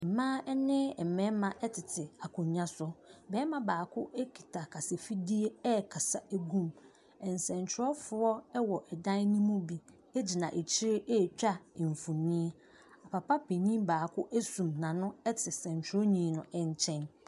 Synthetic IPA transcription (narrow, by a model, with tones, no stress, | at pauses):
m̩˨mãː˦ɛ˦nɪ̃˦˨mɛ̃˦mã˨ʔɛ˦tʰɪ˨tʰɪ˨a˨kʰʊ̃˨ɲã˦sʊ˦bɛː˦mã˨baː˨kʰʊ˦e˦kʰi̥˨tʰa˨kʰa˨se˨fi˦di˦e˦ɛ˦˨kʰa˨sa˨ʔæ˦ɡũ˦m | ɛ̃˨n˨sɛ̃˨nt͡ɕʰɪ˨˦ɔ˦fʊ˦ɔ˦ɛ˦wɔ˨ʔɛ˨dã˦n˦nĩ˦mũ˦bi˨ | ɛ˦d͡ʑi˨nã˨ʔe˨t͡ɕʰi˦ɾe˦ʔɛ˦˨t͡ɕᶣa˦˨ɱ̩˨fũ˨nĩ˦ | a˨pʰa˨pa˦pʰe˨nĩ˦mbaː˨kʰʊ˦ʔæ˦sũ˨mnã˨nʊ̃˦ɛ˦tʰɪ˨sɛ̃˨ɲ˨t͡ɕʰᶣɪ˨˦ɔ˦ɲĩ˨˦nʊ̃˨ɛ˨ɲ˦t͡ɕʰɛ̃˦n